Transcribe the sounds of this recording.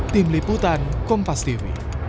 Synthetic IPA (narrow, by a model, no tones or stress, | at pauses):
t̪imliput̪ankʊmfast̪iwḭ